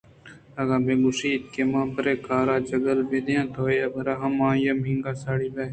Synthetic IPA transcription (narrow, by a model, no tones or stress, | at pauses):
ɐɡaːbeːɡʊʃiːt̪̚kemãːpəɾeːkaːɾaːd͡ʒɐɡəlbeːd̪eãːt̪oːjaːbɐɾaːɦɐmãːjɐmɦĩŋɡaːsaːɽiːbeː